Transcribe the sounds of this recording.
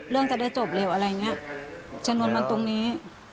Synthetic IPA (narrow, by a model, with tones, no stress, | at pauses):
lɯ˥˩əŋt͡ɕ̪aː˨˩daː˥˩jt͡ɕo˨˩p̚lɛː˧˩wʔa˧ɾa˧jŋi˦˥ɐʔt͡ɕa˧mnu˧ənma˧nt̪o˧ŋniː˦˥